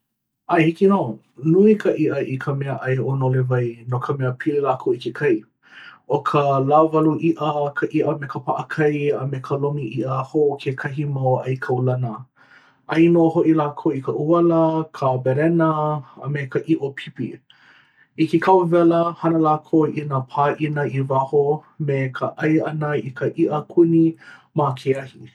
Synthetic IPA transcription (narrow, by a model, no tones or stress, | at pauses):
ajhikino | nuikʰəʔiʔəʔikʰəmɛəʔɐjonolevɐjnokʰəmɛəpʰililaːkʰowikekʰɐj | ʔokʰəlavɐluʔiʔəkʰəʔiʔəmekʰəpʰaʔəkʰɐjəmekʰəlomiʔiʔəhokʰekʰɐɦimawʔɐjkʰɐwlɐnə | ʔɐjnohoʔilaːkʰowikʰəʔuɐləkʰəbɛɾɛnəə̰mekəʔiʔopʰipḭ | ikekʰawvɛləhɐnəlaːkʰowʔinapʰaːʔinəivahomekʰəʔɐjɐnəikʰəʔiʔəkʰunimakʰeɐhi